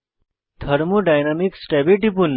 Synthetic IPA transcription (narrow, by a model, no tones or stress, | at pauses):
t̪ʰəɾmoɖajnamiksʈɛbiʈipunː